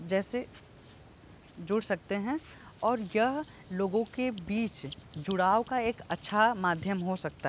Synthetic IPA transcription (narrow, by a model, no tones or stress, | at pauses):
d͡ʒɛːse | d͡ʒʊɽsɐk̚t̪eɦɛ̃ | ɔːɾjɐɦ | loːɡõkebiːt͡ʃd͡ʒʊɽaːokaeːkɐtːʃʰamaːd̪ʱjəmɦosɐk̚t̪a